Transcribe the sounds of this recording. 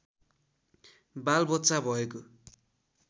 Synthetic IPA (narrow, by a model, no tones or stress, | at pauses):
balbʌt̪ːsabʱʌeko